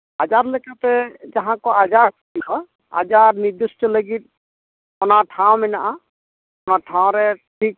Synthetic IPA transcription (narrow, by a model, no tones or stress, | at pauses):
ad͡ʒaɾləkatɛd͡ʒaɦãkɔad͡ʒaɾkʰɔdibɔ | a̰d͡ʒaɾniɾd̪usʈɔləɡit̪̚ | ɔnaʈʰãw̃mɛnaʔã | ɔnaʈʰãw̃ɾɛʈʰik̚